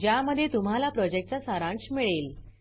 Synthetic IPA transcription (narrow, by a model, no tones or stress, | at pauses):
d͡ʑjaməd̪ʱːjet̪um̤alapɾɔd͡ʑek̚ʈ̚t͡sasaɾãɳsmiɭeːl